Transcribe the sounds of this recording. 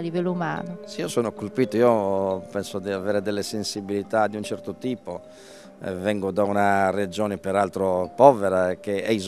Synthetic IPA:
livɛlːouma̰ːnoseiːosɔːnokolpiːt̪oiːopɛnsod̪iavɛːɾed̪ɛlːesensibilit̪ad̪iunt͡ʃɛɾt̪ot̪iːpo | ɛ̰vɛŋɡod̪aunared͡ʒɔːnɛpɛɾalt̪ɾopɔːvɛɾakeɛiz

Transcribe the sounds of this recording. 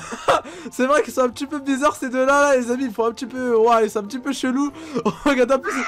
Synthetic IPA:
sɛvʁɛkilsɔ̃ɛ̃pət̪ipøbizaʁsed̪ølãlalezamiilfɔ̃ɛ̃pət̪ipøwailsɔ̃ɛ̃p̬ət̪ipøʃəluɔ̃ʁəɡaʁd̪ɛ̃plys

